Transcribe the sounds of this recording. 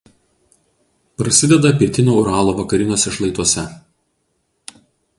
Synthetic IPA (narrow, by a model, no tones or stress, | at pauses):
pɾɐsʲɪd̪ʲɛd̪ɐpʲiɛt̪ʲɪnʲoːʊɾɑːlˠoːʋɐkɐɾʲɪnʲoːsʲɛʃlˠɐɪt̪uɔsʲɛ